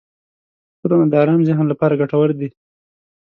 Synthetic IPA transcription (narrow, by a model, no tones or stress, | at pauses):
xʊd̪amad̪əːɾɑːmzɪɦnlapɑɾaɡaʈawəɾd̪i